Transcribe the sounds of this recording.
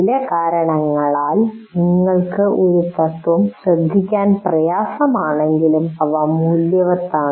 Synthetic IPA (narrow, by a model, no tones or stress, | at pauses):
ilɐkaːɾɐɳɐŋːɐɭaːlniŋːɐɭkɨʔo̞ɾut̪ɐt̪ʋɐmɕrɐd̪ʱːikʲːaːnprɐjaːsɐmaːɳe̞ŋɡilumpɐʋɐmuːljɐʋɐt̪ːaːɳɨ